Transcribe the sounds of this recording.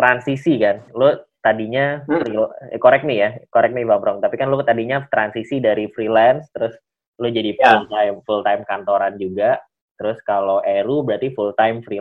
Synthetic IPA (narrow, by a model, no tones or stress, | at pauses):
t̪ɾansisikanlʊt̪adiɲafɾikoɾɛk̚nijakoɾɛk̚nivamɾɔŋt̪apikanlʊt̪adiɲat̪ɾansisidaɾifɾilɛnst̪əɾʊs | lʊd͡ʒadifult̪ajmfult̪ajmkant̪oɾand͡ʒuɡa | t̪əɾʊskaloʔeɾubəɾat̪ifult̪ajmfɾi